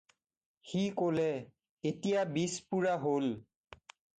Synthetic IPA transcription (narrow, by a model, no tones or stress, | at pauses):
xikolɛ | etijabispuɹaɦol